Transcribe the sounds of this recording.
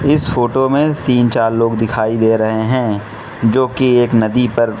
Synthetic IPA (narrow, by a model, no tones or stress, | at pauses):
ɪsfoːʈomẽt̪iːnt͡ʃaːɾloːɡd̪ɪkʰaːid̪eːɾɐɦeɦɛ̃ | d͡ʒoːkieːknɐd̪ipɐɾ